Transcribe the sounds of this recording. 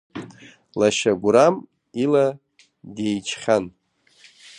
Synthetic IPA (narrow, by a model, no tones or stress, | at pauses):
laʃaɡʷɾam | ila | dejt͡ʃʰχʲan